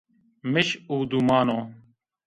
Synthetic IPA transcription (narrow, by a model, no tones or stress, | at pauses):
mɪɕuːd̪uːmaːnõː